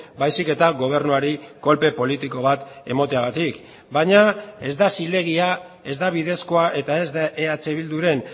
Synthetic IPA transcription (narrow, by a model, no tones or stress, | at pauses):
bajsike̞t̪aɣo̞β̞e̞ɾnuaɾiko̞lpe̞po̞lit̪iko̞β̞at̪e̞̰mo̞t̪eaɣ̞at̪ik | baɲae̞zd̪asile̞ɣ̞ia | e̞zd̪aβ̞iðe̞sko̞aʔe̞t̪ae̞zd̪aʔeat͡se̞βild̪uɾe̞n